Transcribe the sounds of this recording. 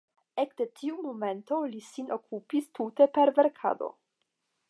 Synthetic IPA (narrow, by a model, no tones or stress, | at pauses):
ekde̞tʰiumome̞nto̞lisinʔokʰupistute̞pe̞ɾve̞ɾkʰa̰do̞̰